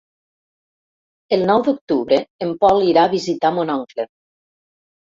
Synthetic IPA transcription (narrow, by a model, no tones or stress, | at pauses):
əlˠnɔwd̪uk̚t̪uβɾəːmpɔliɾaβizit̪amonɔŋkle